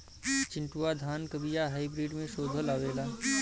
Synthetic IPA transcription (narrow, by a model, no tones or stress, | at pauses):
t͡ʃɪ̃ɳʈuwad̪ʱaːnkəbijaɦaːibɾiːɖmẽʃoːd̪ʱəlaːʋeːlaː